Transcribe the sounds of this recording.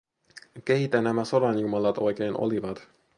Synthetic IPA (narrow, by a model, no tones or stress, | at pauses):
keɦit̪ɛnːɛmɛsoɾaːɲumɑlːɑt̪ojkeenʔo̰livɑd̪